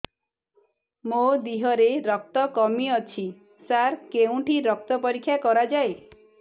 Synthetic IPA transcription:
mod̪iɦɔɾeɾɔk̚t̪ɔkɔmiɔt͡ʃʰi | saɾkeũʈiɾɔk̚t̪ɔpɔɾikʰːjakɔɾad͡ʒae

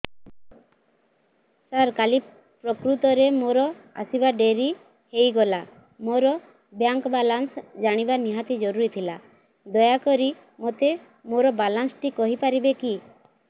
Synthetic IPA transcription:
saɾkali | pɾɔkɾut̪ɔɾemoɾɔ | a̰sibaɖeɾi | hejɡɔla | moɾɔ | bjaŋkɔbalansd͡ʒaɽ̃ibaniɦat̪id͡ʒɔɾuɾit̪ʰila | d̪ɔjakɔɾi | mot̪e | moɾɔbalansʈikɔɦipaɾibeki

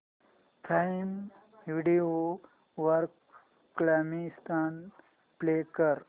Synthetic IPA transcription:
tʰaim | ʋiɖio | ʋəɾkː | lamist̪ʰan | plekəɾ

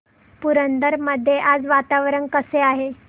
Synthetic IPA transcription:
puɾənd̪əɾməd̪ʱːjeʔad͡zʋat̪aʋɾəɳkəseaɦe

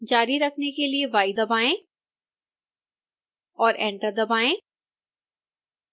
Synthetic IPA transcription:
d͡ʒaːɾiɾɐkʰnekelieʋaːid̪ɐbaːẽ | ɔːɾʔɛ̃ːɳʈəɾd̪ɐbaːẽ

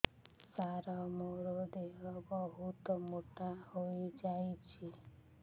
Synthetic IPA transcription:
saɾɔmoɾod̪eʋɔbɔɦut̪ɔmoʈahoid͡ʒajt͡ʃʰi

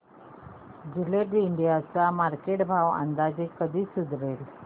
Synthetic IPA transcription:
d͡ʒɪleɖiːɳɖijat͡samaɾkeʈbʱaʋã̰nd̪aːd͡ʑikːəd̪ʱiːsʊd̪ʱʋeːl

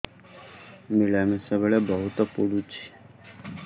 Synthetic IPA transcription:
miɭamesaβeɭebɔɦut̪ɔpuɽut͡ʃʰi̥

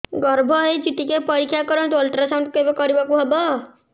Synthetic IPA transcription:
ɡʌɾbʱɔɦet͡ʃit̪ikepʌɾikʰjakɔɾɔ̃ɳ̃t̪ːlʈɾasaw̃ɳɖkebɔkɔɾibakuɦebɔ

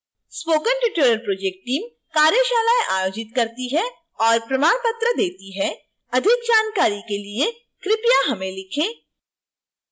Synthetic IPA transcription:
spoːkənʈɪʈeɾəlpɾoːd͡ʒeːk̚ʈːiːm | kaːɾjəʃaːlaːjʔaːjoːd͡ʒɪt̪kɐɾt̪iɦɛ | ɔːɾpɾɐmaːɽ̃pət̪ɾəd̪eːt̪iɦɛ | ɐd̪ʱɪkd͡ʒaːnkaːɾikelie | kɾɪpijaɦɐmẽlɪkʰẽː

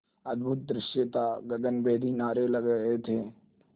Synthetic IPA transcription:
ɐd̪bʱʊt̪̚d̪ɾɪʃet̪aɡɐɡənbeːd̪ʱinaːɾelɐɡəɦet̪ʰeː

